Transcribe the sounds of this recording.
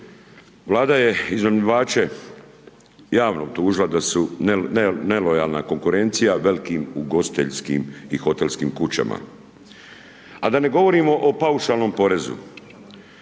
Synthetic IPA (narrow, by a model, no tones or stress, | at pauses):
ʋlaːd̪aje̞iznomʎiʋaːt͡ʃe̞ | jaːʋnob̚t̪uːʒilad̪asu | ne̞lojaːlˠnako̞ŋkuɾe̞nt̪sijaʋe̞likiːmuɡo̞si̥t̪eʎskḭːmixo̞t̪elˠskimkut͡ɕa̰ma̰ | ad̪ane̞ɡo̞ʋo̞ɾimo̞ʔopauʃalˠno̞mpo̞ɾe̞zṵ